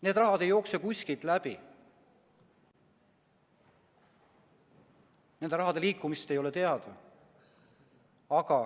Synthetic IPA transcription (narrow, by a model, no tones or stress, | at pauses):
ne̞ːd̪rɑɦɑd̪e̞jo̞ːksekusʲkit̪læb̥i | ne̞nd̪e̞ɾɑɦɑd̪e̞liːkːˑumist̪e̞jo̞let̪e̞ɑd̪̥ | ɑɡ̥ɑ